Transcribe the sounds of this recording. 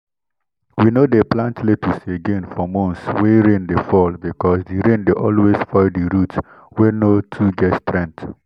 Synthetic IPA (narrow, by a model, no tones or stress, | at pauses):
winodeplãntletʰuseɡẽnfɹɔ̃mɔ̃nsweɾẽndefɔlbikɔsdiɾẽndeʔɔlwesfɔɪdiɾut | wenotʰuɡɛtstɾɛ̃nt